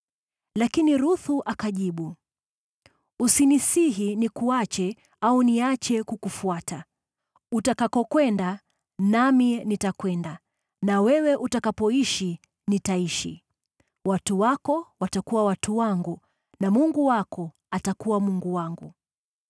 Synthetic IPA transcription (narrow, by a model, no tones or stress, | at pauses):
lakiniɾuθuʔakaʄiɓu | usinisiɦinikuat͡ʃɛ | auniat͡ʃɛkukufuata | utakakɔkwɛnda | naminitakwɛnda | nawɛwɛʔutakapɔiʃi | nitaiʃḭ | watuwakɔwatakuwawatuwaŋɡu | namuŋɡuwakɔ | atakuwamuŋɡuwaŋɡu